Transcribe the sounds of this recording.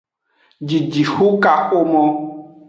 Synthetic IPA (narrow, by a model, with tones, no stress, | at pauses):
d͡ʒi˨d͡ʒi˨xu˦ka˦xo˦mɔ̃˦